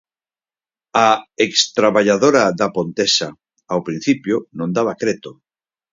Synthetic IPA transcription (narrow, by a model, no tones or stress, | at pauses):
aekst̪ɾaβaʎaðoɾaðapont̪esa | awpɾin̟θipjʊnõnd̪aβakɾet̪o